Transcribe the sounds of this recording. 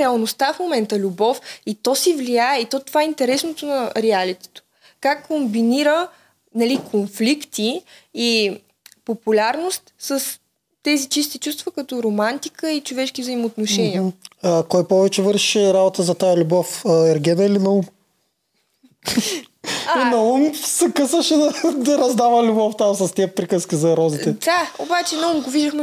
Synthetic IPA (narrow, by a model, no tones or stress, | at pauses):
ɾɛəlˠnost̪afmomɛnt̪əlʲubɔfit̪ɔsɛvlijaɛit̪ɔt̪ovaɛint̪ɛɾɛsnot̪onɐɾɛalit̪ɛ̥t̪o̥ | kakːombiniɾə | nɐlikʰonflikt̪iː | populʲaɾnost̪səs | t̪ɛzit͡ʃist̪it͡ʃust̪vəkɐt̪ɔɾomant̪ikəit͡ʃovɛʃkivzəimoːt̪noʃɛniəakɔjpɔvɛt͡ʃɛvəɾʃi̥ʃɛɾabot̪əzɐt̪ajɐlʲubɔfəɛɾɡʲɛd̪əilinɐum | nɐumsɛkɤsəʃɛd̪ɐd̪ɐɾɐzd̪avəlʲubɔft̪amsɐst̪ɛpɾikəskizɐɾɔzit̪ɛd̪ao̰bat͡ʃɛnɐumɡoviʒd̪əxmɛ